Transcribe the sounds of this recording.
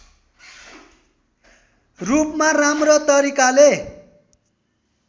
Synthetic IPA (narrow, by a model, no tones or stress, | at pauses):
rupmaramrʌt̪ʌɾikale